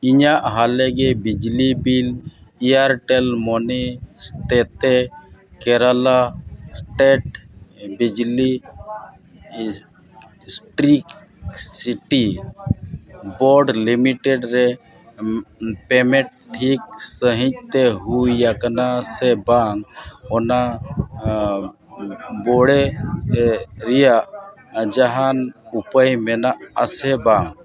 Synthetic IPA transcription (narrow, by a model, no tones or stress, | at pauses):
iɲaʔɦalɛɡɛbid͡ʒlibilijaɾʈɛlmɔnist̪ɛt̪ɛkɛɾalasʈeʈ̚bid͡ʒli | sʈɾik | siʈi | bɔɾɖlimiʈeɖɾe | pɛmɛʈ̚ʈʰːik̚səɦĩɲ̚t̪eɦujakənasɛbaŋɡɔna | bɔɽe | ɾijaʔ | d͡ʒaɦanupəjmɛnaʔəsɛbaŋ